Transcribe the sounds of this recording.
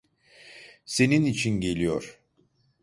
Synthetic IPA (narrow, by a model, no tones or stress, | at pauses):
se̞ninit͡ʃʰinɟe̞lʲijo̰ɾ̥